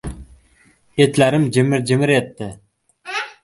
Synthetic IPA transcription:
et̪laɾɪmd͡ʒɪmɪɾd͡ʒɪmɪɾet̪ːɪ

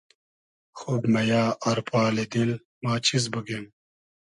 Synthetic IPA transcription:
xuːbmɐjaːʔɐɾpaːlid̪il | maːt͡ɕʰizbəɡem

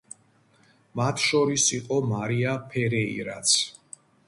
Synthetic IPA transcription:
mat̪ʰʃɔɾisiqʼɔmaɾiapʰɛɾɛḭɾa̰t̪sʰ

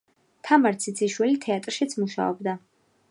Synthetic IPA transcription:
t̪ʰamaɾt̪sʰit̪sʰiʃwilit̪ʰɛat̪ʼɾʃit̪sʰmuʃa̰ɔ̰bd̪a

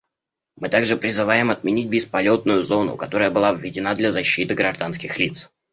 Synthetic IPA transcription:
mɨt̪aɡʐɨpɾʲɪzɨvajɪmɐt̪̚mʲɪnʲit̚ʲbʲɪspɐlʲo̞t̪̚nʊjʊzo̞nʊ̰kɐt̪o̞ɾəjəbɨlˠavvʲɪdʲɪnad̪lʲɐzɐɕːit̪ɨɡɾɐʐd̪anskʲɪxlʲit̪s

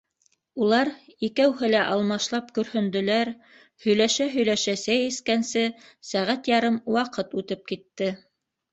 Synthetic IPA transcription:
ulˠɑɾikæwhɘlæʔɑlˠmɑʃlˠɑpkɵ̆ɾhɵ̆nd̪ɵ̆læɾ | hɵ̆jlæʃæɦɵ̆jlæʃæsæjiskænsɘ | sæʁæt̪jɑɾɤmwɑqɤt̪ʉt̪ɘp̚kit̪ːɘ

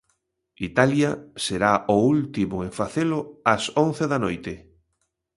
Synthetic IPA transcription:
it̪aljɐseɾaʊult̪imʊẽɱfaθelʊɐsõn̟θeðɐnojt̪ɪ

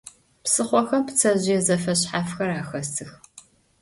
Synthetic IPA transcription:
psɨχʷɔxɐmpt͡sʰɐʑɪjɛzɐfɐɕħaːfxɐɾaːxɐstʰɨx

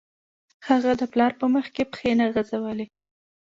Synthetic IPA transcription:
haɣad̪əplɑɾpəməxkepə̥xenaɣazawəli

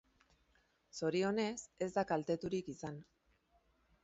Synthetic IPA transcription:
so̞ɾio̞ne̞se̞zd̪akalt̪e̞t̪uɾikisan

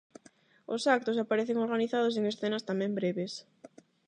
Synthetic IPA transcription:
ʊsak̚t̪osapaɾeθeŋoɾɣaniθaðʊs̬eŋesθenɐst̪amɛ̃mbɾeβes

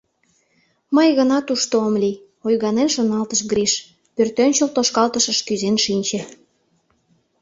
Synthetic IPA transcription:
məjɣənɑt̪uʃt̪oomlʲi | ojɣɑnenʃonɑlt̪əʃɡɾiʃ | pørt̪ønʲt͡ɕəlt̪oʃkɑlt̪əʃəʃkyzenʃinʲt͡ɕĕ

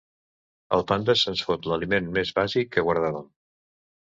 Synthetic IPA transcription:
ə̰lˠpand̪əsənsfot̪ləlimenmezβazikːəɣwəɾð̞aβəm

